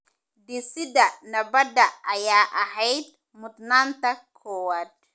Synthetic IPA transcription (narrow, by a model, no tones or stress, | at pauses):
d̪ɪsɪdɐnɐbɐd̪ɐʔɐjaːʔɐɦɛjd̪̚ | mʊd̪naːnt̪ʰɐkʰɔːwaːd̪̚